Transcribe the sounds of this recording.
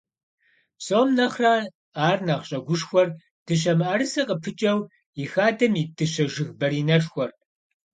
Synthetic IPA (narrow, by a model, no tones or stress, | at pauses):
psʼoːmnɐχraː | aːrnɐʁɕʼɐɡʷʊʂxʷɔr | d̥ɨʃ̬ɐmaːɾɨsɐqʼəpʰɨt͡ʃʼɐw | ixaːdɐmiːdɨɕɐʒɨɣbɐɾiːnɐʂxʷɔr